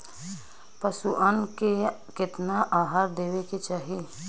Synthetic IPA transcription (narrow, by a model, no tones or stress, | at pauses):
pɐsuʔənke | kɪt̪naʔaːɦaːɾd̪eːweket͡ʃaːɦi